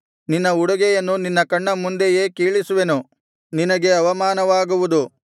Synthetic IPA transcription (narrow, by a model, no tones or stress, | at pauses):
ninːɐuɽɐɡɛjɐnːuninːɐkɐɳːɐmund̪eje̞ːkiːɭisuʋe̞nu | ninɐɡe̞ɐʋɐmaːnɐʋaːɡuʋud̪u